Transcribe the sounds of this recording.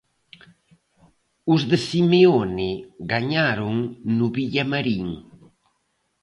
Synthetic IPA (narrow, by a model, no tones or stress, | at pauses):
ʊzðɪsimeonɪɡaɲaɾʊŋnʊβiʎamaɾiŋ